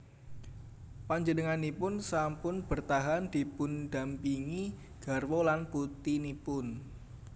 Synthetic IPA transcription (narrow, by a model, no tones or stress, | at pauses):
paɲd͡ʒənəŋanipʊnsampʊnb̥ərt̪aɦand̪̥i̤pʊnd̪̥a̤mpiŋi | ɡ̥a̤rwolanput̪inipʊn